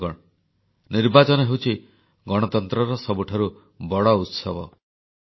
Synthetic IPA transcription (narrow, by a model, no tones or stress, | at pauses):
ɔɽ̃ɔ | niɾbat͡ʃɔnɔɦewt͡ʃʰi | ɡɔɽ̃ɔt̪ɔnt̪ɾɔɾɔsɔbuʈʰaɾu | bɔɽɔut̪sɔbɔ